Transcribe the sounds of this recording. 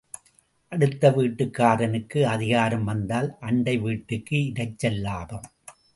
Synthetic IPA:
ʔɐɽɯt̪ːɐʋiːʈːɯkːaːɾɐnɯkːɯɐðɪɣaːɾɯmʋɐnd̪aːlʔɐɳɖɐɪʋiːʈːɯkːɯɪɾɐɪt͡ʃːɛlːaːðɐm

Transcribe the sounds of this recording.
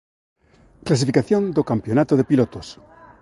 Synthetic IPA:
klasifikaθjond̪okampjonat̪oðepilot̪os

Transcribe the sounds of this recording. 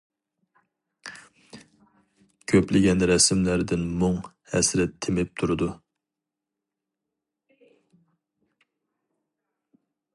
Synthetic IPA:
kʲʰøplɪɡʲɛnɾɛsmlæɾd̪ɪnmʊŋ | hɛsɾɛt̪ʰːɪmɪp̚t̪ʰuɾɨd̪u

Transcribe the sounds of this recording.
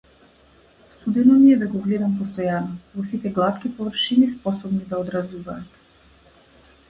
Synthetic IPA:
st̪ud̪ɛnɔniɛd̪aɡɔɡlɛd̪ampɔst̪ɔjanɔvɔsit̪ɛɡlˠat̪kipɔvr̩ʃinispɔsɔbnid̪aɔd̪ɾazuvaːt̪

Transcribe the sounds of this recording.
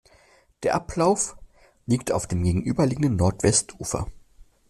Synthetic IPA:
d̥eːɐʔapʰlaʊf | liːk̚tʰa̰ʊfd̥eːmɡeːɡŋ̩ʔyːbɐliːɡŋ̩dənːɔɐtv̥ɛstʰʔṵːfɐ̰

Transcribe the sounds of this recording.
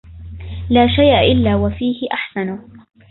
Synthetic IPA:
laːʃajʔaʔɪlːaːwafiːhɪʔaħsanʊ

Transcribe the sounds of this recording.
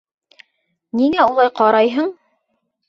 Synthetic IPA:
niŋæulˠɑjqɑɾɑjɦɤɴ

